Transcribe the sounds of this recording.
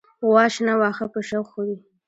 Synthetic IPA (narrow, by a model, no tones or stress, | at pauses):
wɑʃnawɑxapəʃawxowi